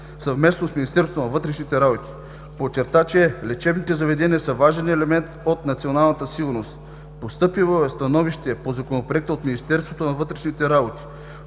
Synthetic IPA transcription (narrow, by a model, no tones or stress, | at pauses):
sɐvmɛsnosminist̪ɛɾsot̪onɐvɤt̪ɾɛʃnit̪ɛɾabot̪i̥ | pot͡ʃɛɾt̪at͡ʃɛlɛt͡ʃɛbnit̪ɛzɐvɛd̪ɛniəsəvaʒɛnɛlɛmɛnt̪ot̪nɐt̪sionalˠnɐt̪əsiɡʊɾnost̪ | post̪ɤpivoɛst̪ɐnɔviʃt̪ɛpozɐkonopɾɛk̚t̪əot̪minist̪ɛɾst̪vot̪onɐvɤt̪ɾɛʃnit̪ɛɾabot̪i̥